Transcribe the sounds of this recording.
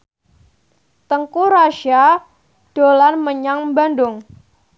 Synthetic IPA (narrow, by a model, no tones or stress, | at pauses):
t̪əŋkuɾaʃia | ɖ̥olanməɲaŋbandʊŋ